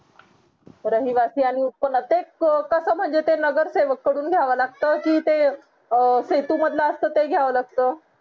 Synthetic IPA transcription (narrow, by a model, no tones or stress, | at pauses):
ɾəɦiʋasiːaɽ̃ikonət̪ekəsəːm̤əɳd͡zet̪enəɡəɾseʋəkːəɽuːnɡʱjaʋəlaɡt̪əkiːt̪e | set̪uməd̪ʱlaəst̪əːt̪eɡʱjaʋəlaɡ̚t̪əː